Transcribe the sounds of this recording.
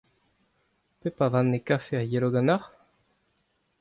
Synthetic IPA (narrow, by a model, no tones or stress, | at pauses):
pepavãnːekafeajeloɡanaʁ